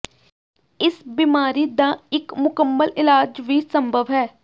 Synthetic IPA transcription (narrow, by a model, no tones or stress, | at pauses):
ɪsbiːmaːɾid̪aːɪkmʊkəmːəlɪlaːd͡ʒʋisəmbʱəʋɦɛː